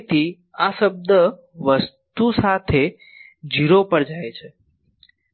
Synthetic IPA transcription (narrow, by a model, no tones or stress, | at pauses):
t̪i | asəb̚d̪ʱə | ʋəst̪usat̪ʰe | d͡ʒiɾopəɾd͡ʒajt͡ʃʰe